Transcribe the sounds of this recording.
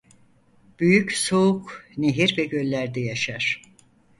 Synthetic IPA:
b̥yjycsoukneɦiɾvɛɟø̞lʲːæɾd̪ɛjaʃaɾ̥

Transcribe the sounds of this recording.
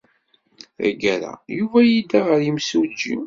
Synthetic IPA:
æ̰ɡæɾa̰juvæjid̪aʁəɾjimsud͡ʒḭm

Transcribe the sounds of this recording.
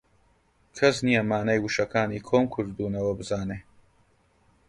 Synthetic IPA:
kʰɐsnijɐmaːnɐjwuʃɐkʰaːniːkʰoːmkʰɨɾd̪uːnɐwɐbɨzaːneː

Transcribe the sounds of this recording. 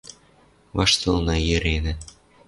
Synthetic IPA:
vɑʃt̪ɤlˠnɑjɘ̆ɾʲenɘ̆

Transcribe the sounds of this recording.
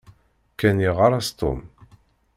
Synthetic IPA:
kæniʁaɾˤast̪o̰m

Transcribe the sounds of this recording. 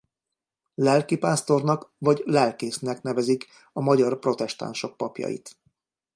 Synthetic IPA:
lɛlkipaːst̪o̞rnɒkvɒɟlɛlkeːsnɛkn̪ɛvɛzik | ɒmɒɟɒrpro̞t̪ɛʃt̪a̰nʃo̞k̚pɒpjɒ̰jḭt̪

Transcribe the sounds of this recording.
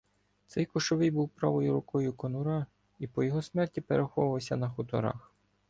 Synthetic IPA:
t̪sɛjkʊʃɔʋɪjbuwpɾɑʋɔjʊɾʊkɔjʊkɔnʊɾɑ | ipɔjɔɦɔsmɛrtʲipeɾexɔʋɐwsʲɐnɐxʊt̪ɔɾɑ̰x

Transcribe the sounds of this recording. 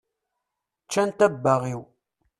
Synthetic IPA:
t͡ʃːænt̪æbːaʁiw

